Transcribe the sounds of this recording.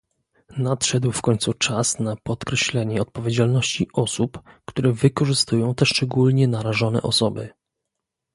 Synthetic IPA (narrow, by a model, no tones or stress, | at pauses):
nat̪ʂɛd̪wfkɔɲt̪sut͡ʂasnapɔt̪kɾɛɕlɛɲɛɔt̪̚pɔvʲjed͡ʑalnɔɕt͡ɕiʔɔsupkt̪uɾɛvɘkɔʐɘst̪ujɔ̃w̃t̪ɛʂt͡ʂɛɡulɲɛnaɾaʐɔn̪ɛ̰ʔɔsɔbɘ̰